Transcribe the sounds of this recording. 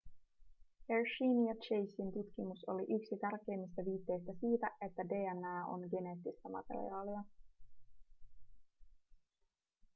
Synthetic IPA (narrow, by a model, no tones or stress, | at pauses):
heɹʃiːnjɑt͡ʃejsint̪ut̪k̟imuso̞̰liʔyksit̪ærk̟e̞ːmːist̪ɑʋiːt̪ːe̞jst̪æsiːt̪æe̞t̪ːæde̞ːænæːo̞̰ŋɡe̞ne̞ːt̪ːist̪æmɑ̰t̪ḛɾḭɑːliɑ